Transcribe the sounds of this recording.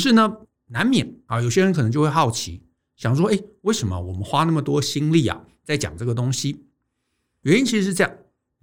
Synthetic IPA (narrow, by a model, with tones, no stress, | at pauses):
ʂ̬ɻ̩˥˩nə˨ | na˧˥nmjɛ˨˩˦nɐ˩jo˨˩ʊɕjɛ˥ɻə˧˥nk̪ʰɤ˧ŋt͡ɕjo˥˧xwe˥˧xɑ˥˩ʊt͡ɕʰḭ˧˥ | ɕjɑ˨˩ŋʂ̬wɔ˥e˥˩ɪwe˥˩ɪʂə˧˥nmə̰˧wɔ˨˩mə˦nxwa˥na˥˩mə˩t̪wɔ˥˨ɕi˥ŋli˥˩ɐ̰˨˩ | t͡sa˥˩ɪt͡ɕjɑ̰˨˩ŋʈ͡ʂɤ˥˩ə˩t̪ʊ˥ŋɕi˨ | jwɛ˧˥n˥nt͡ɕʰi˧˥ɻ̩˧ʂɻ̩˥˧ʈ͡ʂjɑ˥˩ŋ